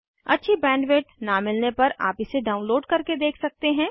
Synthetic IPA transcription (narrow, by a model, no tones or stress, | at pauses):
ɐ̰tːʃʰibɛ̃ːɳɖʋeːʈnamɪlnepɐɾa̰ːpɪseɖaːʊnloːɖkɐɾked̪eːkʰsɐk̚t̪eɦɛ̃ː